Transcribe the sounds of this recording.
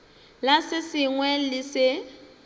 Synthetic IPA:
lasɪsɪŋwɛlɪsɪ

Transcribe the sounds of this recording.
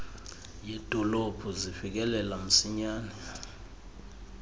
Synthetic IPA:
jed̥ʱɔlob̥ʰʱuzifik̬ɛlɛlam̩siɲaːnɛ

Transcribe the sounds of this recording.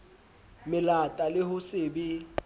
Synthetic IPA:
mɪlatʼalɪhʊsɪːbi

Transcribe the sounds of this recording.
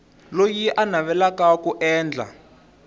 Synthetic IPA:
lojiʔanaβɛlakakuʔɛːnd͡ɮʱa̰

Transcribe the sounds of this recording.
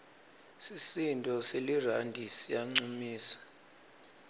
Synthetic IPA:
sisintʼɔselirandʱisijaŋ͡ǀumiːsḁ

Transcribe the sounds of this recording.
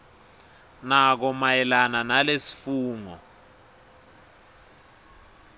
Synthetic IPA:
nak̬ɔmajɛlananalesi̥fuːŋɔ̰

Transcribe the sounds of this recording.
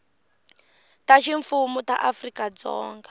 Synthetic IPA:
taʃiɱfumuta̰ʔafrikad͡zɔ̰ːŋɡa

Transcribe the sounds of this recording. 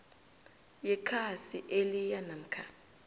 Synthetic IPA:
jɛkʰasiʔelijanam̩kʰa

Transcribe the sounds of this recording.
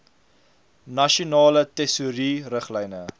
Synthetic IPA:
nɐʃunɑːlətɛsuɾirəχlɛjnə

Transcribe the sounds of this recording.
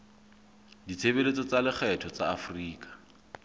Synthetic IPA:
dit͡sʰeβelet͡sɔt͡salɪχʰɛtʰɔt͡saːfriːkʼḁ

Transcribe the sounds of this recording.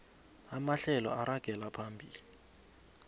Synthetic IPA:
amaɬɛlɔ̰aɾaɡ̥ʱɛlapʰambʱiːli

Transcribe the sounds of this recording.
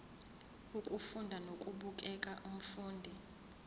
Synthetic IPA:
ukʼufundʱanokʼuɓukʼɛkʼaʔum̩fuːndʱi

